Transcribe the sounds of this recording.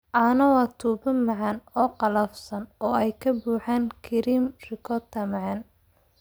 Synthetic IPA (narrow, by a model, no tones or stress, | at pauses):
ʔɐnɐwɑːt̪ʰuːbɐmɐʕɑnɔːqɑlɐfsɐnɔːɛjkʰɐbuːħaːnkʰɪɾiːmrɪkʰɔt̪ʰɐmɐʕɑn